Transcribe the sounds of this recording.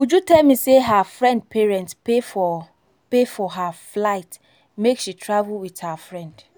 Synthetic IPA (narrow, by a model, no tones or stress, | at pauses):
wud͡ʒutɛlmiseɦafɹɛ̃nd̚pʰɛɹɛ̃ntspefɔ | pefɔɦaflaɪt | mekʃitʰɹavulwiðhafɹɛ̃nd̥